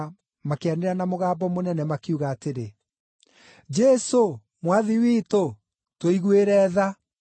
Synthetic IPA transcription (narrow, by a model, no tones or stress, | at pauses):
makeaneɾanamoɣaːbɔmonɛnɛmakeuɣaːteɾe | d͡ʒɛso | mwaðiwito | twoiɣweɾɛːða